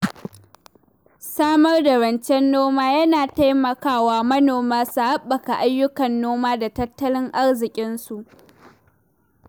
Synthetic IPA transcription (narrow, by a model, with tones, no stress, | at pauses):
saː˦mɐ˦rda˨ɽɐ˨nt͡ʃɛ˦nːoː˦maː˦jɐ˦naː˨ta˦jmɐ˨kaː˦˨waː˦mɐ˦noː˨maː˦su˨ha˦ɓːɐ˨ka˨ʔa˦jːʊ˦kɐ˨nːoː˦maː˦da˨tɐ˦tːɐ˦lɪ˦ŋʔa˦rzɪ˨kʲʼɪ˦nsu˨ʔ